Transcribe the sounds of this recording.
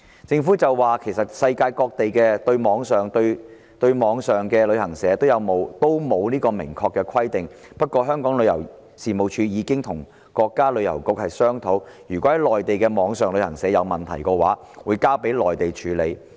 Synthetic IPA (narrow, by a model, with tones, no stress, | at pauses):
t͡sɪ˧ŋfuː˨˥t͡sɐ˨wwaː˨kʰe˨˩jsɐ˨t̚sɐ˧jkaː˧jkɔː˧k̚t̪e˨jkɛː˧t̪ɵ˧ɥmɔː˨˧˥ŋsœː˨ŋt̪ɵ˧ɥ | t̪ɵ˧ɥmɔː˨˥ŋsœː˨˩ŋkɛː˧lɵ˨˧ɥhɐ˨˩ŋsɛː˨˥t̪o˥wjɐ˨˧wmo˨˧wt̪o˥wmo˨˧wniː˥kɔː˧mɪ̰˨˩ŋkʰɔː˧kːɛ˧kʰɐ˥jt̪ɪ˨ŋ | pɐ˥t̚kʷɔː˧ɦœː˥ŋkɔː˨˥ŋlɵ˨˧jɐ̰˨˩w | siː˨mo˨wt͡ʃʰyː˨˧jiː˨˧kɪ˥ŋt̪ʰʊ˨˩ŋ | kɔː˧kːaː˥lɵ˨˧ɥjɐ̰˨˩wkʊ˨˥k̚hɐ˨jsœː˥ŋt̪ʰo˨˥wjyː˨˩kɔː˨˥hɐ˨˥jlɔː˨jt̪e˨jkɛː˧mɔː˨˧ŋsœː˨ŋlɵ˨˧ɥhɐ˨˩ŋsɛː˨˥jɐ˨˧wmɐ˨˩nt̪ʰɐ˨˩jkɔː˧wa̰ː˨˥ | wuː˨˧jkaː˥pe˨˥jlɔː˨jt̪e˨jt͡ʃʰyː˨˧le˨˧j